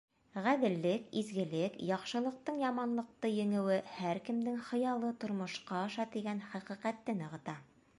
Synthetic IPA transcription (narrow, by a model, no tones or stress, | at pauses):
ʁæðɘ̆lːɘkizɡɘ̆lɘkjɑqʃɤ̆lˠɤ̆q̚t̪ɤɴjɑmɑnlˠɤ̆q̚t̪ɤjɵ̆ŋɘ̆wɘhæɾkɘ̆md̪ɘŋχɤ̆jɑlˠɤt̪ŏɾmŏʃqɑɑʃɑt̪iɡænχæqĭqæt̪ːɘnɤ̆ʁɤ̆t̪ɑ